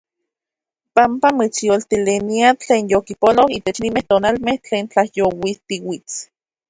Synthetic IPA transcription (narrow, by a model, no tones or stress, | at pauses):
pampamit͡sjolt̪ileniat͡ɬeːnjokipolohiːt̪et͡ʃnimeht̪oːnalmeht͡ɬeːnt͡ɬahjowit̪iwit͡s